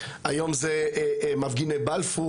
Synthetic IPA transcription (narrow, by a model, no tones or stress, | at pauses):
ʔajomzemavɡinebalfu